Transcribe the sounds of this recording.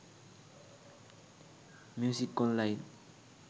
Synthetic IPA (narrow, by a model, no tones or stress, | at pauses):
mjusikːɔnlajin